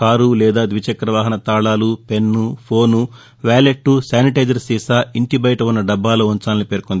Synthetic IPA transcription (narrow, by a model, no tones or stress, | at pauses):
kaːɾulɛːd̪aːd̪ʋit͡ʃɐkːɾɐʋaːɦɐnɐt̪aːɭaːlupe̞nːupʰoːnu | ʋaːleʈːusaːniʈɐjd͡ʒɐɾsiːsaːiɳʈibɐjʈɐunːɐɖɐbːaːloːunt͡ʃaːninipe̞ːɾkond̪i